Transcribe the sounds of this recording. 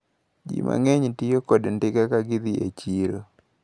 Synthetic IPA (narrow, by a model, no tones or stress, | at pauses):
d͡ʒḭmʔa̰ŋeɲtɪjokodndɪkakaɡɪd̪ɪḛt͡ʃiɾo